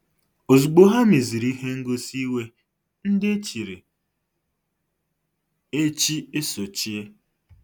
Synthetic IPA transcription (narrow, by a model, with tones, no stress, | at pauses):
o˨zu˨ɡ͡bo˦ɦa˦mi˨zi˨ɾi˦ɦe˦ŋ̩˦ɡo˦si˦we˦ | n̩˦dɪ˦e˦t͡ʃi˨ɾe˨ | e˦t͡ʃi˦e˦so˨t͡ʃi˦e˦